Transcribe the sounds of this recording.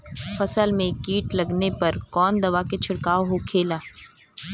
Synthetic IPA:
fɐsəlmẽkiːʈlɐɡnepɐɾkɔːnd̪ɐʋaket͡ʃʰɪɽkaːoɦokʰeːlaː

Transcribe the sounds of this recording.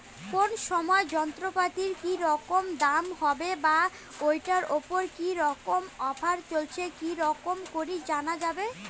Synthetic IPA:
konʃɔmɔed͡ʑɔnt̪ɾopat̪iɾkiɾɔkomd̪amhɔbeba | ojʈaɾopoɾkiɾɔkomɔbʰʱaɾt͡ɕolt͡ɕʰekiɾɔkomkoɾid͡ʑanad͡ʑabe

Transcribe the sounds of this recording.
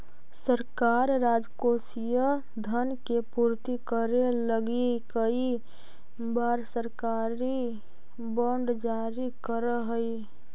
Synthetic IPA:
səɾkaɾɾad͡ʒkosijə | d̪ʱənkepuɾt̪ikəɾeləɡikəi | baɾsəɾka | ɾi | bɔɳɖd͡ʒaɾikəɾəɦəi

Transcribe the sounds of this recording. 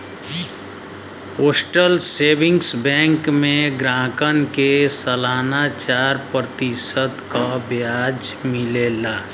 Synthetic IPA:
oːsʈəlseːbɪ̃ŋɡsbɛ̃ːŋkmẽɡɾãːkənkesəlaːnat͡ʃaːɾpɾət̪isət̪kabjaːd͡ʒmɪlelaː

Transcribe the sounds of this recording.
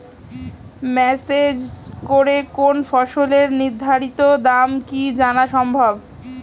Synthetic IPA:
mɛsed͡ʑkoɾekonfɔʃoleɾniɾd̪ʱaɾit̪od̪amkid͡ʑanaʃɔmbʱab

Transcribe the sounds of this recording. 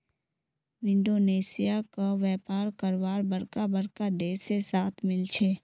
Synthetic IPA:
wɪ̃ɳɖoːneːsɪjakaʋɛːpaːɾkəɾwaːɾbəɾkabəɾkad̪eːsesaːt̪ʰmɪlt͡ʃʰeː

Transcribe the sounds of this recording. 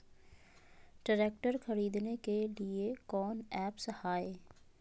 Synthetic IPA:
ɖəɾeːkʈəɾxʰɐɾiːd̪nekeliekɔːnɛːpsɐhaːeː

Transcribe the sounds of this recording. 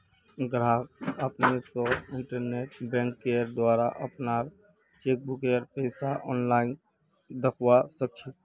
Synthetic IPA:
ɡɾaːkəpnesoɪ̃ɳʈəɾneːʈbɛ̃ːŋkːeːɾd̪waːɾaʔəpnaːɾ | t͡ʃeːk̚bʊkeːɾpɛːɪsaʔɔːnlaːɪn | d̪əkʰwasək̚t͡ʃʰi

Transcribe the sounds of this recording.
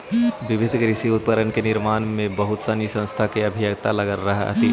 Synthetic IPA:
ʋɪʋɪd̪ʱkɾɪsiʊt̪̚pəɾənkenɪɾmaːnmẽbəɦʊt̪sanisə̃nst̪ʰakeəbʱijəɡt̪aləɡəlɾəɦɛ̰ɦə̰t̪i

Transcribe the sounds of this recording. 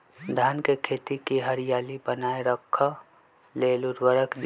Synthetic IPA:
d̪ʱaːnkekʰeːt̪ikiɦəɾɪjaːlibənaːeɾəkʰːa | leːlʊɾwəɾəkd̪

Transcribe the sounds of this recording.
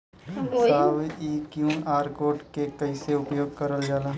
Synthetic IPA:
saːʋiːkjũːnaːɾkoːʈkekɐiseʊpjoːɡ̚kɐɾəld͡ʒaːlaː

